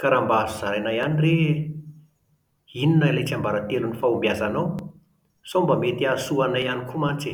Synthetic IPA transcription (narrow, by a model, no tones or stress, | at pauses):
kaɾambazuz̥aɾajnajanire | ininailet͡ʃambaɾat̪elunifaumbiazanaw | sombamet̪iasuanajanikumat͡se